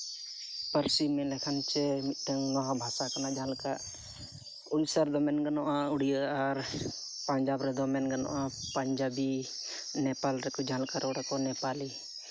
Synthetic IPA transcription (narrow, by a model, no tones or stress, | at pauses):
pəɾsimɛ̃lɛkʰant͡ʃɛmit̪t̪əŋnɔɦãbʱasakanad͡ʒãlka | uɽsəɾd̪ɔmɛnɡənɔʔãuɽijaːɾ | pəɲd͡ʒaːbɾɛd̪ɔmɛnɡənɔ̰ʔapəɲd͡ʒabi | nɛpalɾɛkɔd͡ʒãlkaɾɔɾɛkɔnɛpali